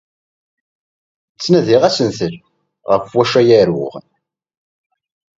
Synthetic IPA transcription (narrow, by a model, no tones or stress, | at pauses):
t͡sːnæðiʁæsənθəl | ʁə̰fwæʃæjæɾʊ̰ʁ